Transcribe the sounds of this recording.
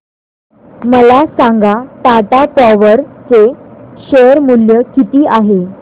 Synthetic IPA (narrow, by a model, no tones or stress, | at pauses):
məlasãŋɡat̪at̪apaʋəɾt͡seɕeɾmuljəkit̪iːʔaɦe